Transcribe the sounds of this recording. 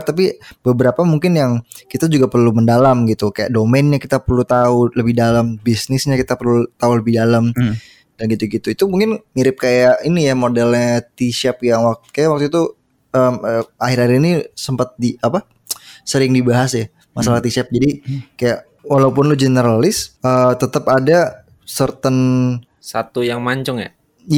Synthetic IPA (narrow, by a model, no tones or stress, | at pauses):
t̪ap̬ibəbəɾapamuŋkɪnjaŋkit̪ad͡ʒuɡapərluməndalamɡit̪ukaja̰ʔdomɛnɲakit̪apərlut̪auləbɪhdalambisnɪsɲakit̪apərlut̪auləbɪhdalam | danɡit̪uɡit̪uit̪umuŋkɪnmiɾɪp̚kajaʔinijamodɛlɲat̪iʃɛp̚jaŋwak̚t̪kajaʔwak̚t̪uit̪u | əməahɪɾaɪinisəmpat̪̚diapa | səɾɪŋdibaɦasja | masalat̪isɛp̚d͡ʒadikajaʔ | walaupʊnlʊhd͡ʒenəɾalɪsət̪ət̪əpada | sərt̪ən | sat̪ujaŋmaɲt͡ʃɔŋja̰ | j